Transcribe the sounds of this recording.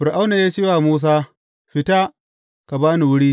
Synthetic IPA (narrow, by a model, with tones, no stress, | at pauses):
ɸɪ˨ɾʔa˦wna˨jaː˦t͡ʃeː˦waː˨muː˦s̬aː˦ | ɸɪ˦ta˦ | ka˨baː˦ni˨wʊ˦ɽiː˦